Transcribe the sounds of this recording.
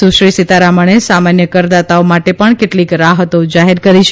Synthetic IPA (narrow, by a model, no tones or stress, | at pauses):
suʃɾisit̪aɾaməɳ̃esamanjəkəɾd̪at̪aomaʈepəɳkeʈlikɾaɦət̪od͡ʒaɦeɾkəɾit͡ʃʰ